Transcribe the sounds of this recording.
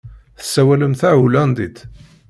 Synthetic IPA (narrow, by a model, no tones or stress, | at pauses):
θə̥sːæwæləmθæʕulænd̪id̪